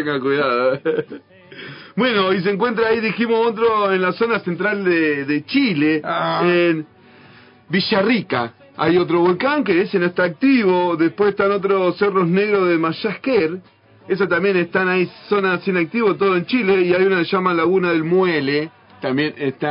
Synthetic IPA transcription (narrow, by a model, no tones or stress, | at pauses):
t̪eŋɡakuðaðo | bwe̞no̞is̬eŋkwe̞nt̪ɾaːiðiximosot̪̬ɾoenlaso̞nasent̪ɾald̪eðet͡ʃileen | biʃarika̰ | a̰jo̞t̪ɾo̞βolkaŋkeesenoest̪aːk̚t̪iβoðespweseht̪ano̞t̪̬ɾosero̞sneɣɾoðemaʃahkeɾ | es̬at̪ambje̞nest̪anaisonasjenak̚t̪iβot̪oð̞oent͡ʃileiajunaseʃamalaɣunaðe̞lmwele | t̪ambjenest̪a